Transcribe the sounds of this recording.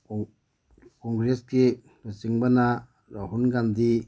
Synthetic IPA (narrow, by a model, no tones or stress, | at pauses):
kɔŋɡɾesɡi | lusiŋbɐna | ɾaɦunɡand̪i